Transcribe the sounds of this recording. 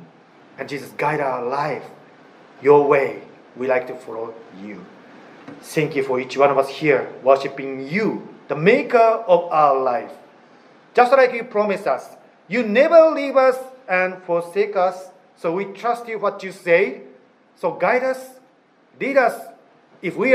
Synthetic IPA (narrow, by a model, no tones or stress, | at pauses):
ɨ̃nd͡ʒizəsɡaɪɾaʊəlaɪf | jɔweɪ | wilaɪk̚tufɔloju | θæ̃ŋkjufɔit͡ʃwʌ̃ñɔvʌshiɹwɜ˞ʃɨpɪ̃ŋjuðəmekə˞ɔvaʊəlaɪf | d͡ʒʌstlaɪkjupʰɹ̥ɔmɪsʌs | junɛvə˞livʌsɛ̃nfɔɹsekʌsː | owitʰɹ̥ʌstjuwɔtjuseɪ | soʊɡaɪɾʌs | liɾʌs | ɪfwi